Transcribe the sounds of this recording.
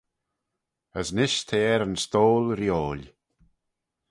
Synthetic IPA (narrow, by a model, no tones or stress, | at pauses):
əsnɪʃt̪ʰeːɛɾənst̪oːlɾjoːlʲ